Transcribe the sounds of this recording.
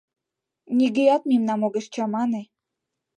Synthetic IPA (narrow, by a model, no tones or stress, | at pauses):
nʲiɡejɑt̪̚mimnɑmoɣeʃt͡ɕɑmɑne